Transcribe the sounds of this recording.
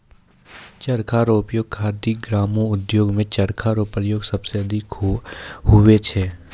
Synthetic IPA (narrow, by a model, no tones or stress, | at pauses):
t͡ʃɐɽkʰaːɾoːpjoːɡ̚kʰaːɾd̪iɡɾaːmõʊd̪joːɡmẽt͡ʃɐɾkʰaːɾopɾjoːɡsɐbseɐd̪ʱɪk | ɦʊʋet͡ʃʰɛː